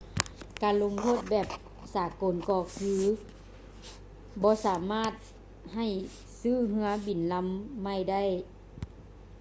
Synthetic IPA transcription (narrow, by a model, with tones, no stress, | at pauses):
kaː˨nlo˧mt̪ʰoː˧˥˨t̪̚bɛː˨˩p̚ | saː˨˦ko˨˩˨nkɔː˧˩kʰɯː˧ | bɔː˧˦saː˨˦maː˧˥˨t̪̚ | ha˨˩j | sɯː˧˥˩ɦɯ˧˥ɐbi˨˩nla˧˥mːa˧˥˩jda˥˩˨j